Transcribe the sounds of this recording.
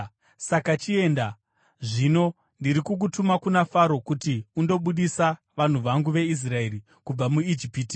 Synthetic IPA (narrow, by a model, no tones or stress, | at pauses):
sakat͡ʃie̞nda | ʐino̞ | ndiɾikuk̬utumakunafaɾo̞kutiundo̞ɓuɗisa | ʋan̤uʋaŋɡuʋe̞is̬rae̞ri | kub͡vamuid͡ʒipiːti̥